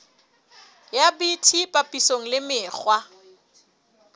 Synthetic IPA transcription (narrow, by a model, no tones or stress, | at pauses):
jabitʰipʼapʼisoŋ̩lɪmɪːk͡xwa